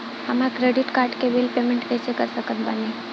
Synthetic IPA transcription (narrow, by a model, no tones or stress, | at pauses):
həmakɾeɖɪʈkaːɾʈkebilpeːmẽɳʈkɛːsekəɾsəkət̪bane